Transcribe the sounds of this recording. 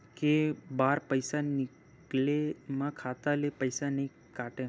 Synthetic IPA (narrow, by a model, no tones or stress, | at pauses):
kebaɾpəjsanɪ | klemãkʰat̪alepəjsanəĩ | kaʈe